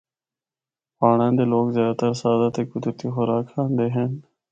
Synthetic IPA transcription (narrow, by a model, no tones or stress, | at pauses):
paːɳãːnd̪eːloːɡzjaːd̪t̪əɾsaːd̪aːt̪eːkʊd̪ɾt̪iːxʊɾaːkʰãːnd̪eːɦen